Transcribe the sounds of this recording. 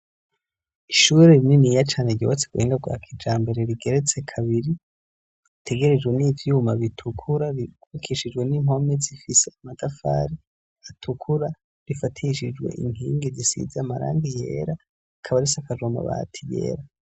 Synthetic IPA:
iʃuɾeɾininijat͡ʃaːneɟoβat͡seɡueːŋɡaɡwa̰ːkʰid͡ʒaːmbe̞ɾe̞ɾiɡe̞ɾet͡se̞kʰaβiɾi | itʰe̞ɡe̞ɾed͡ʒɡwe̞niːvjumaβitʰukʰuɾaɾiukʰiʃid͡ʒwe̞nimo̞mezifise̞amadafa̰ːɾi | atʰukʰuɾa | ɾifatʰiʃid͡ʒwe̞̰ʔḭŋ̥iːŋɡezisḭzeamaɾa̰ːndijḛɾa | kʰaβaɾisakaʒoma̰βa̰tʰijḛːɾa

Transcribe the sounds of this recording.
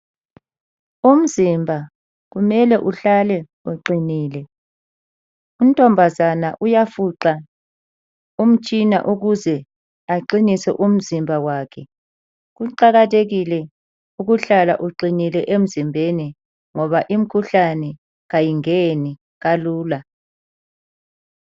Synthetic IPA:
um̩zimbʱa | ɣumɛlɛʔuɬalɛ | uǃiniːlɛ | um̩tʼɔmbʱazanaʔujafuǃa | um̩t͡ʃʼina̰ʔuɣuzɛ | aǃinisɛ̰ʔum̩zimbʱawaːkʰɛ | ɣuǃaɣatʰeɣilɛ | uɣuɬala̰ʔuǃinilɛʔem̩zimbʱeni | ŋɔβaʔim̩kʰuɬanɛ | ɣajiŋeni | ɣaluːla

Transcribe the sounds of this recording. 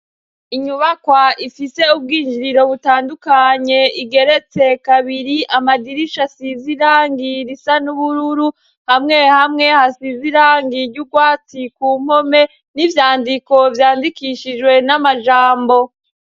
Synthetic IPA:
iɲuβakwaʔifise̞ub̚ɡiːnd͡ʒiɾiɾo̞βutaːndukaɲe̞iɡe̞ɾe̞t͡sekaβiɾiʔamadiɾiʃasiziɾaːŋɡiɾisanuβuɾuɾu | hamŋe̞hamŋe̞hasiziɾaːŋɡiɾɟuɡwaːt͡sikuːm̥ho̞me̞ | nivjaːndiko̞vjaːndikiʃid͡ʒwe̞namaʒaːmbo̞

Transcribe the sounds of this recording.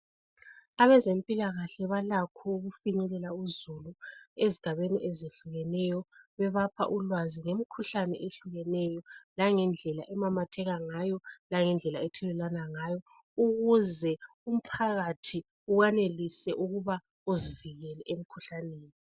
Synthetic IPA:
aβɛzempʼilaɣaɬɛβalakʰɔuɣufiɲɛlɛlauzulueziɡ̥ʱaβeniʔɛzeɬuɣɛnɛjɔβɛβapʰa̰ʔulwaziŋemikʰuɬanɛ̰ʔeɬuɣɛnɛjɔlaŋɛnd͡ɮʱɛla̰ʔɛmamatʰɛɣaŋajɔlaŋɛnd͡ɮʱɛlaɛtʰɛlɛlanaŋajɔ | uɣuzɛ | um̩pʰaɣatʰi | uɣanelisɛʔuɣuβa | oziviɣɛlɛʔem̩kʰuɬaneːni

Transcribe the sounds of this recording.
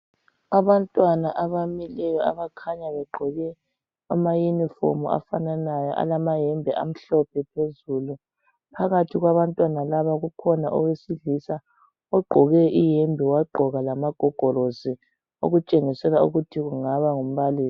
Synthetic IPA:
aβantʼwanaʔaβamilɛjɔaβakʰaɲaβɛɡ͡ǃʱɔɣɛ | amajunifo̰mua̰fananajɔʔa̰lamajɛmbʱɛʔa̰m̩ɬɔp̚ʰɛpʰezulu | pʰaɣatʰiɣwaβantʼwanalaβaɣukʰɔnaʔɔwesiɮisa | ɔɡ͡ǃʱɔɣɛʔijembʱiwaɡ͡ǃʱɔɣalamaɡ̥ʱɔɡ̥ʱɔɾozi | o̰ɣut͡ʃʼeŋisɛlaṵɣutʰiɣuŋaβaŋum̩βaliːsi̥

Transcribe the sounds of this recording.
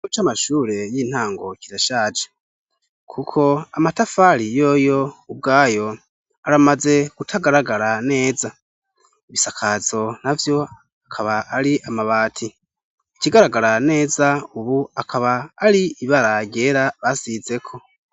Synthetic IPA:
ut͡ʃamaʃuːɾe̞jiːn̥haːŋɡo̞ciɾaʃaːd͡ʒe̥ | kʰukʰo̞amatafaɾijo̞ːjo̞ub̚ɡaːjo̞ | aɾamaze̞ɡ̥utʰaɡaɾaɡaɾane̞ːza | iβisakʰazo̞navjo̞ | akʰaβaʔaɾiʔamaβaːtʰi | iciɡaɾaɡaɾane̞ːzauβuakʰaβaːɾiiβaɾaɟe̞ːɾaβasize̞kʰo̞

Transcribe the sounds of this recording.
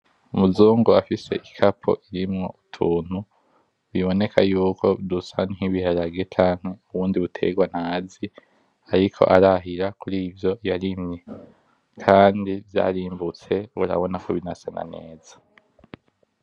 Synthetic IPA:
umuzuːŋɡoafise̞̰ʔikʰapʰo̰ʔiɾimŋo̞utʰuːn̥hu | βiβo̞ne̞kʰajuːkʰo̞dusanŋiβiɦaɾaɡe̞t͡ʃaːŋ̥he̞uβuːndiβutʰe̞̰ɡwan̥haːzi | aɾikʰo̞̰ʔaɾaɦiɾakuɾiːvjo̞jaɾimɲe | kʰaːndivja̰ːɾiːmbut͡se̞βṵɾa̰βo̞nakʰoβinasana̰ne̞ːz̥ḁ

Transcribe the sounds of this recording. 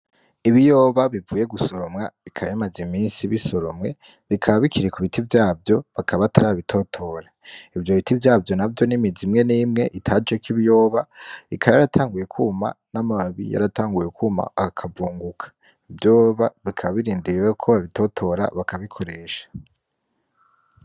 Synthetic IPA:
iβijo̞ːβaβivuːje̞ɡuso̞ɾo̞mŋaβikʰaβjamazimiːnsiβiso̞ɾomŋe̞ | βikʰaβaβikʰiɾekuβitibjaːbjo̞βakʰaβataɾaːβaβitʰo̞tʰo̞ɾa | ivjo̞βitivjaːbjo̞nabjo̞nimizimŋe̞nimŋe̞ʔitʰaːd͡ʒekiβijo̞ːβaikʰaβajaɾatʰaːŋɡuje̞kʰuːma̰namaβḭja̰ɾataːŋɡujekʰuːma̰akʰavuːŋɡukʰḁ | bjo̞ːβaβikʰaβaβiɾiːndiɾiɾekʰoβaβitʰo̞tʰo̞ɾa̰βakaβikʰo̞ɾe̞ːʃḁ

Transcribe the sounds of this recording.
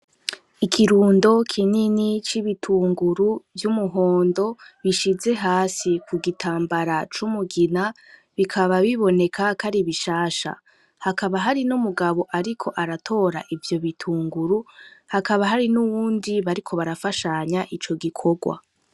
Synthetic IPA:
ikʰiɾuːndo̞kʰininit͡ʃiβitʰuːŋɡuɾuvjumuɦo̞ːndo̞βiʃize̞ɦaːsikʰuɡitʰaːmbaɾat͡ʃumuɡina | βikʰaβaβiβo̞ne̞kʰakaɾiβiʃaːʃa̰ | hakaβaɦaɾinumuɡaβo̞ʔaɾikʰo̞ʔaɾatʰo̞ɾa̰ʔivjo̞βitʰuːŋɡuɾuhakaβaɦaɾinuwuːndiβaɾikʰo̞βaɾafaʃaɲaʔit͡ʃo̞ɡikʰo̞ɡwa̰

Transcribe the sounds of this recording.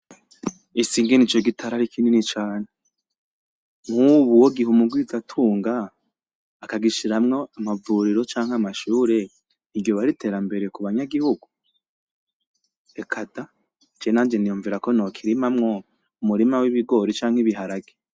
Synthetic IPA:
isiːŋɡenit͡ʃo̞ɡitʰaɾaɾikininit͡ʃaːne | ŋ̥huβuwoɡiɦumuɡwizatʰuːŋɡaː | kaɡiʃiɾamŋo̞amavuɾiɾo̞t͡ʃaːŋhamaʃuːɾe̞ | niɡjo̞βaɾitʰe̞ːɾambe̞ɾe̞kuβaɲaɡihuɡu | ekʰada | t͡ʃenaːd͡ʒe̞nijuːɱviɾako̞noːkʰiɾimamŋo̞ | umuɾimawiβiɡo̞ːɾit͡ʃaːŋ̥iβiɦaɾaɡe

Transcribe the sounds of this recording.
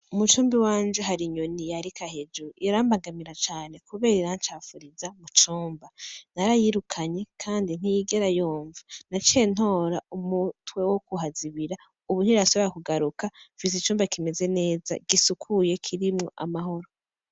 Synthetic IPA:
umut͡ʃuːmbiwaːnd͡ʒeɦaɾiɲo̞nijaɾikahed͡ʒuʔiɾaːmbaŋɡamiɾat͡ʃaːne̞kuβe̞ːɾiɾant͡ʃafuɾizamut͡ʃuːmbanaɾajiɾukʰaɲe̞kʰaːndin̥ijiɡe̞ɾajoːɱvanat͡ʃeno̞ːɾaumutwe̞wokuɦaziβiɾa | uβun̥iɾaso̞βeɾakuɡaɾukafis̬it͡ʃuːmbakime̞ze̞ne̞ːza̰ɡ̥isukʰuje̞kʰiɾimŋo̞ʔa̰maɦo̞ɾo̞

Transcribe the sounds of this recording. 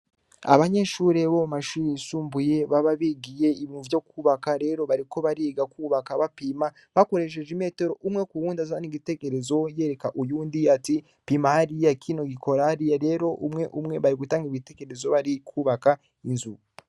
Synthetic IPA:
a̰βaɲe̞ʃuːɾe̞βomaʃuːɾejisuːmbuje̞βaβaβiɡije̞iβiuvjo̞kuːβakaɾe̞ɾo̞βaɾiko̞βaɾiɡakuːβakaβapiːma | βako̞ɾe̞ʃ̬e̞ʒeme̞ːte̞ɾo̞ʔumŋekuwuːndazaβaniɡite̞ke̞ɾezo̞je̞ːɾe̞kaʔujuːndiati | pimahaɾijakʰino̞ɡikʰo̞ɾahaɾijaɾe̞ɾo̞ʔumŋe̞ʔumŋe̞βaɾiɡutaːŋɡiβite̞ke̞ɾezo̞βaɾikʰuːβaka | inzu

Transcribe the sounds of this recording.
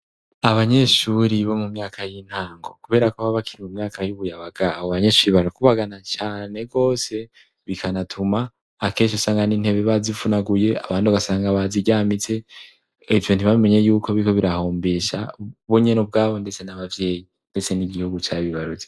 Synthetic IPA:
aβaɲe̞ʃuːɾiβo̞mumɲaːkʰajin̥haːŋɡo̞kuβe̞ːɾakoβaβakʰiɾimumɲaːkʰajuβujaβaɡaːβoβaɲe̞ːʃuːɾiβaɾakuβaɡanat͡ʃaːne̞ɡo̞ːse̞ | βikʰanatʰumaː | ke̞ːnʃosaːŋɡaniːn̥he̞βeβazifunaɡuje̞a̰βaːndiβaɡasaːŋɡaβaziɟaːmit͡se̞ | ivjo̞ntiβaβime̞ɲe̞juːkʰo̞βiiko̞βiɾaho̞ːmbeːʃa̰βuɲenubɡaːβo̞nde̞t͡se̞naβavje̞ːji | nde̞t͡se̞niɡihuɡut͡ʃaːβiβaɾuze

